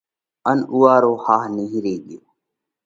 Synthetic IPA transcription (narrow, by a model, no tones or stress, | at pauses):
ənuːaːɾoːhaːɦnəɦĩːɾeːɡɪjoː